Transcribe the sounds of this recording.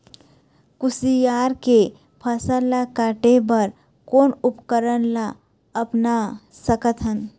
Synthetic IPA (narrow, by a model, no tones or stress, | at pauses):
kʊsijaːɾke | pʰəsəlakaːʈebəɾ | koːnʊpkəɾənla | ɐpna | səkət̪ʰɦən